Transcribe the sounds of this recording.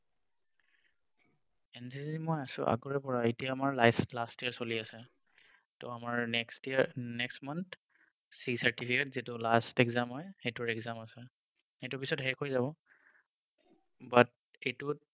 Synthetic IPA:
ɛnsizimɔjasʊ̰̃ʔa̰ɡɔɹɛpɔɹaetiaːmaɹlaslastiɛɹsoliasɛ | tɔamaɹnɛkstinɛkstmant | sisatipʰiketzitʊlastɛɡzamɦɔjxetʊɹɛɡzamasɛ | ejtʊpisɔtɦɛkɦojzaβɔ | bat̚ | ejtʊ

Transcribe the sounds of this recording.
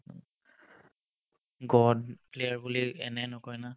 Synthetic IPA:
ɡɔdplejaɹbuliɛnɛnɔkɔjna

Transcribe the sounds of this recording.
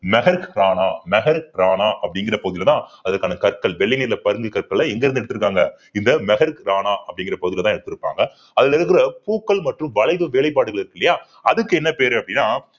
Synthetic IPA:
mɛɣɐɾkɾaːnaːmɛɣɐɾɾaːnaːʔɐpːɐɽɪŋɡɪɾɐpoːɯðɪlɐt̪ãːɐðɐɾkaːnɐkɐɾkɐɭʋɛɭːɪniːɾlɐpɐɾɯŋɡikɐɾkɐɭːɐɛŋɡɛɾɯnd̪ɯɛɽɯt̪ːɯɾɯkːaːŋɡɐ | ɪnd̪ɐmɛɣɐɾɾaːnaːʔɐpːɐɽɪŋɡɪrɐpoɣɯðɪlɐt̪ãːɛɽɯt̪ːɯɾɯpːa̰ːŋɡɐ | ɐðɪlɪɾɯk̬ːɪɾɐpuːkːɐɭmɐʈrʊ̃ʋɐlɐɪʋɯʋeːɭɐɪp̬ːaːɽɯɣɐɭɪɾɯkːɪlːɐjaː | ɐðɯkːɯɛnːɐpeːɾɯɐpːɐɽɪnːaː

